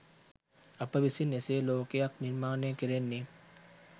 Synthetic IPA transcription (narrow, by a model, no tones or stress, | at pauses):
ɐpːɐbisineseloːkeɐkniɾmaːnẽkiɾenːi